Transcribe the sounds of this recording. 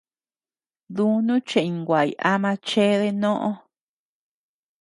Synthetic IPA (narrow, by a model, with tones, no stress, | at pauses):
ðu˦nũ˦t͡ʃẽ˨ĩ˨ŋɡʷa˨ḭ˨ʔa˦mã˧t͡ʃe˦ðe˧nõ˦ʔõ˦